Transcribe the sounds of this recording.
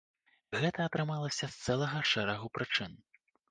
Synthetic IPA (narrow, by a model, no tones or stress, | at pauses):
ɣɛt̪ɐːt̪ɾɨmalˠɐsʲɐst̪sɛlˠɐɣɐʂɛɾɐɣupɾɨt͡ʂɨn